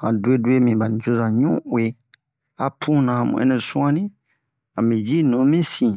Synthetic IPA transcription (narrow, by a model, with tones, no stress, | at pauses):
hã̰˨du˨˦e˦du˦e˦mĩ˨ba˨n˨d͡ʒo˦zã˨ɲũ˦we˨ | a˨pʰũ˦nã˨mṵ̃˨ɛ̰˦nɛ̃˨sũ˦ã˦nĩ˦ | a˨mĩ˨d͡ʒi˦nũ˨˦mĩ˦sĩ˨